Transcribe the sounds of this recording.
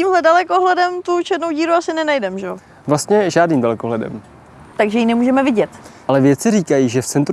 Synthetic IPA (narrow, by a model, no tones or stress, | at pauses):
iːmɦlɛdalɛkoɦlɛdɛmt̪ut͡ʃɛdnowɟiːɾuasɪnɛnajdɛmʒɛo | vlast̪ɲɛʒaːdniːmdalɛkoɦlɛdɛ̰m | t̪aɡʒɛjinɛmuːʒɛmɛvɪɟɛt̪ʔalɛvjɛt͡sɪɾiːkajiːʒɛft͡sɛnt̪ɾ